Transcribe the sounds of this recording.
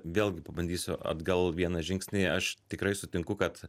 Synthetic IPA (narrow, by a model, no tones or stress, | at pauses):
ʋʲeːlʲˠɡʲɪpɐbɐnʲd̪ʲiːsʲʊʔɐ̰d̪ɡɐlˠʋʲiɛnɐʒʲɪŋksʲnʲeːɐʃt̪ʲɪkɾɐɪsʊt̪ʲɪŋkʊkɐt̪